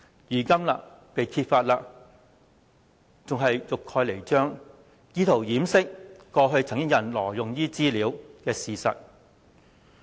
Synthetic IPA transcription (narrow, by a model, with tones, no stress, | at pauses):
jyː˨˩kɐ˥mla̰ː˧ | pe˨jkʰi˧t̚faː˧t̚laː˧ | t͡sʊ˨ŋɦɐ˨jjʊ˨kʰːɔː˧jle˨˩jt͡ʃœː˥ŋ | jiː˥t̪ʰo˨˩wjiː˨˥msɪ˥k̚kɔː˧ɦɵ˧ɥt͡sʰɐ˨˩ŋkɪ˥ŋjɐ˨˩nlɔː˨˩jʊ˨ŋjiː˥t͡siː˥liː˨˧˥wkɛː˧siː˨sɐ˨t̚